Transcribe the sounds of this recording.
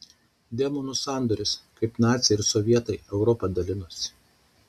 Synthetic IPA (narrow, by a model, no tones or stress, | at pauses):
d̪ʲɛmɔnusɑˑnd̪ɔːɾʲɪskɐɪpnɑːt̪sʲɛɪɾsɔʋʲiɛt̪ɐɪɛʊɾɔpɐd̪ɐlʲɪnʊsʲ